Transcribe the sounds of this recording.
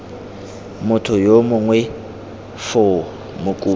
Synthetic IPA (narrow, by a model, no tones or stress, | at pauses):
mʊtʰʊjomʊŋwɛ | fo | mʊkʼuː